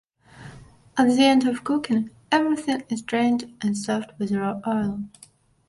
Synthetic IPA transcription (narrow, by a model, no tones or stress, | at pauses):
ʔət̚ðiɛ̃ndʌv̥kʰʊkɨ̃n | ɛvɹɪθɪ̃ŋɪztʰɹ̥ẽɪ̃ndɨ̃nsɔft̚wɪðʔɔɪlˠ